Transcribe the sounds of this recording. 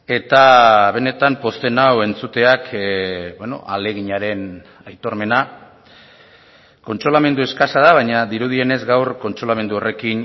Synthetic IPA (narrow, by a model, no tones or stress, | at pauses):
e̞t̪aβe̞ne̞t̪ampo̞st̪e̞nawe̞nt͡sut̪e̞akbweno̞̰ʔa̰le̞ɣiɲaɾe̞n | ajt̪o̞ɾme̞na | ko̞nt͡ʃɾo̞lame̞nd̪ue̞skasaðaβ̞ajɲaðiɾuð̞ie̞ne̞zɡawrko̞nt͡ʃɾo̞lame̞nd̪uore̞kin